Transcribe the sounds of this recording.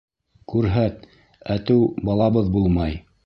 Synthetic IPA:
kʉɾɦæt̪ | æt̪ɘwbɑlˠɑβɤðbulˠmɑj

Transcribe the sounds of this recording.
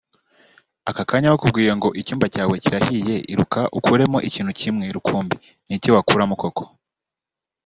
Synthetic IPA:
akakaːɲawokub̚ɡiːjeŋɡo̞ʔicuːmbacaːwe̞ciɾahije̞ʔiɾukaʔukʰuɾe̞mo̞ʔiciːn̥hucimŋeɾukʰuːmbi | nicowakuɾamuko̞kʰo̞̥

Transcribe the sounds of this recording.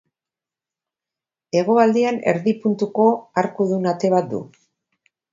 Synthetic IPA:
e̞ɣ̞o̞ald̪iane̞̰ɾðipunt̪uko̞aɾkuðunat̪e̞β̞at̪̚d̪ṵ

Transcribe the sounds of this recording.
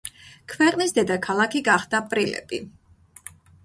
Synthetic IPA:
kʰvɛqʼnisd̪ɛd̪akʰalˠakʰiɡaχd̪̥aːpʼɾilɛ̰b̥ḭ

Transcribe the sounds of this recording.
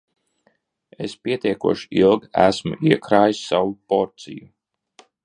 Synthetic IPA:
espʲiɛt̪ʲiɛkuɔʃi̥ilˠɡæ̰smṵʔiɛkɾaːjisʲːawupɔɾt̪sḭju

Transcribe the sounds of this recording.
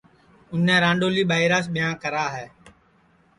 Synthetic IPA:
ʊn̤ɛ̃ːɾãːɳɖoːliːɓaːɪɾaːs̬ɓɪjãːkəɾaːɦɛː

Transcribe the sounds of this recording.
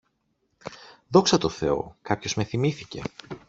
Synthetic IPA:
ðo̞ksɐt̪o̞θe̞o̞̰kɐpço̞zme̞θimiθice̞̰

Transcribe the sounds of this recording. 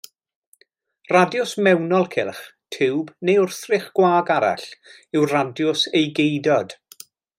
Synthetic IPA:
radjʊsmɛwnɔlˠkʰɪlˠχtʰɪwbnejʊrθrɪχɡ̥waːɡaɾa̰ɬ | ɪwradjʊsejɡejdɔd̥

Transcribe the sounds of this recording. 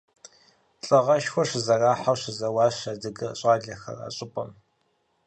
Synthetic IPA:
ɬʼɐʁɐʃxʷɔʂɨzɐraːħawɕɨzɐwɑːɕadɨɡɨɕʼaːɮɐxɐ̰ra̰ːɕʼɪpʼɐm

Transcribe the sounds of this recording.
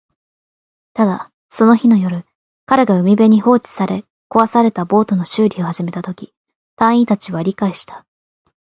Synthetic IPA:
t̪ad̪a | so̞no̞çino̞jo̞ɾɯ̟ | kaɾe̞ɡaɯ̟mʲibe̞ɲ̟iho̞ːt͡ɕi̥saɾe̞ | ko̞βasaɾe̞t̪abo̞ːt̪o̞no̞ɕɨːɾʲiohaʑime̞t̪at̪o̞kʲi | t̪ãɰ̃it̪at͡ɕiβaɾʲikaiɕi̥t̪ḁ

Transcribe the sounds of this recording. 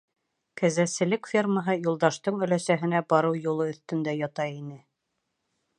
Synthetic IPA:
kæzæsɘ̆lɘkfʲerməɦɤjulˠd̪ɑʃt̪ɤɴɵ̆læsæɦɘ̆næbɑɾɤwjulˠɤɵ̆θt̪ɵ̆nd̪æjɑt̪ɑinɘ

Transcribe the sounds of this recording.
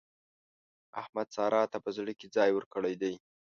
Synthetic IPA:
a̰hmad̪sɑɾʔɑt̪apəzɽəked͡zɑjwəɾkəɽajd̪aj

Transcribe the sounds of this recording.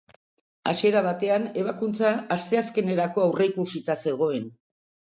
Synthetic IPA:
a̰sie̞ɾaβat̪e̞ane̞βakunt͡saːst̪e̞aske̞ne̞ɾako̞awre̞ikusit̪ase̞ɣ̞o̞e̞n

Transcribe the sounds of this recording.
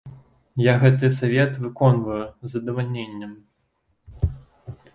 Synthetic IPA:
jaɣɛt̪̬ɨsavʲɛt̪vɨkɔnvɐjuzɐd̪ɐvalʲnʲenʲːɐm

